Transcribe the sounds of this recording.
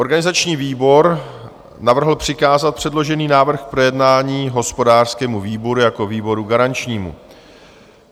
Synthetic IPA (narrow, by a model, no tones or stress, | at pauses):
ʔo̞ɾɡanɪzat͡ʃɲiːviːbo̞ɾ | navr̩ɦl̩pr̝̥ɪkaːzat̪̚pr̝̥ɛdlo̞ʒɛniːnaːvr̩xpɾo̞jɛdnaːɲiːɦo̞spo̞daːr̥skɛːmuviːbo̞ɾujako̞viːbo̞ɾuɡaɾant͡ʃɲiːmṵ